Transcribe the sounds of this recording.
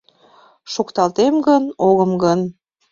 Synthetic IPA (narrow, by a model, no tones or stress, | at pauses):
ʃukt̪ɑlt̪emɡənoɣəmɡən